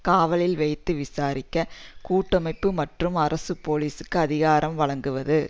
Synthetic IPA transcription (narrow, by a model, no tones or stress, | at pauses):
kaːʋɐlɪlʋɐɪt̪ːɯʋɪsaːɾɪkːɐkuːʈːɐmɐɪpːɯmɐʈrɯmɐɾɐsɯpoːliːsɯkːɯɐðɪɣaːɾʔɐmʋɐɭɐŋɡɯʋɐðɯ